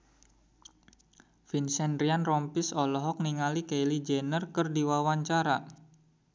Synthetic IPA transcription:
finsɛndɾianrɔmpisɔlɔɦɔk̚niŋalikejlid͡ʒɛnərkərdiwawaɲt͡ʃaɾa

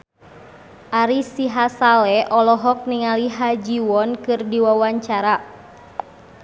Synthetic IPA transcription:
ʔaɾisiɦasalɛʔɔlɔɦɔk̚niŋaliɦad͡ʒiwɔnkɨrdiwawaɲt͡ʃaɾa

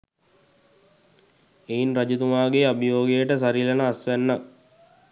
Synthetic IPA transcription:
ejinrad͡ʒut̪umaːɡeabijoːɡejəʈəs̬aɾilənəːsʋænːak̚

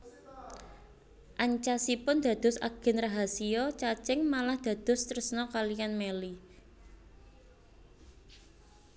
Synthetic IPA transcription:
ʔaɲt͡ʃasipʊnd̪̥ä̤d̪̥ʊ̤sa̰ɡ̥ɛ̤nraɦasiɔt͡ʃat͡ʃɪŋmalahd̪̥ä̤d̪̥ʊ̤st̪ɾəsnɔkalijanmeli

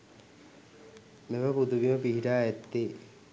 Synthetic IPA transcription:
meʋəpud̪uʋiməpiɦiʈaːɛt̪ːe

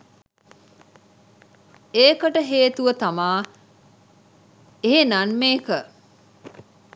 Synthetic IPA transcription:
eːkəʈəɦeːt̪uʋət̪amaː | eɦenanmeːkə

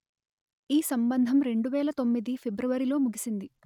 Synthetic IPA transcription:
iːsɐmbɐnd̪ʱɐmɾe̞ɳɖuʋɛːlɐt̪o̞mːid̪ipʰebɾuʋɐɾilo̞ːmuɡisind̪i

